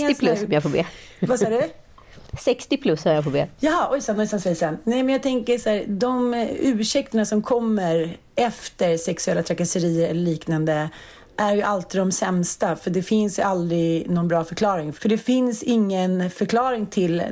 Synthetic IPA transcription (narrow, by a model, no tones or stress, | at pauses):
ɪpʰlsːmjafoːbḛː | vasɑːɖɵ | sɛkst̪ɪpʰlɵsːɔmjafoːbḛːjɑːɦɑɔjsanːɔsansvɛsɛnnɛɪmɛnjaːt̪ʰɛŋkəʂæːɾd̪ɔmʉ̟ːʂɛkt̪əɳasɔmkʰɔmːəɾ | ɛft̪əɾsɛksɵɛlːat̪ʰɾakːasəɾiːəɾɛlːəɭiːknand̪ə | ʔæɾjɵʔalt̪ɪd̪ɔmsɛmst̪afœɖɛfɪnsjɵʔald̪ɾɪɡnɔnbɾɑːfœɾkʰlɑːɾɪŋfœɖɛfɪnsɪŋːənfœɾkʰlɑːɾɪŋt̪ʰɪl